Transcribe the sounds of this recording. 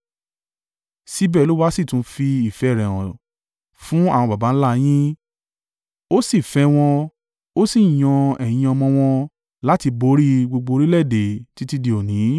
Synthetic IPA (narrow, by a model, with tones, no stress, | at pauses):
si˦bɛ˦˨˦lo˦wa˦si˦˨tũ˨˦fi˧i˨fɛ˨˦˨ɾɛ˨w̃ɔ̰̃˨ | fũ˨˦a˦˨w̃ɔ̃˧ba˨ba˨˦n̩˦la˦j̃ĩ˦ | o˦si˦˨fɛ˧w̃ɔ̃˧ | o˦si˦˨j̃ɔ̃˧ɛ̃˨ĩ˧ɔ˧mɔ̃˧w̃ɔ̃˧ | la˦ti˧bo˨˦ɾi˦ɡ͡bo˧ɡ͡bo˧ɾi˦lɛ˦˨de˨ti˨˦ti˦˧di˧o˨nĩ˨˦